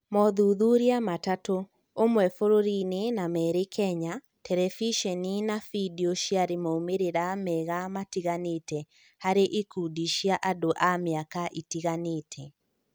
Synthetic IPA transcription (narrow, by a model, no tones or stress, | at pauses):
mɔðuðuɾiamatato | omwɛfoɾoɾinenamɛɾekʰɛɲa | tɛɾɛfiʃɛninafidioʃiaɾemaumeɾeɾamɛɣamatiɣanetɛ | haɾeʔekudiʃiaʔadoʔameakaʔitiɣaneːtʰɛ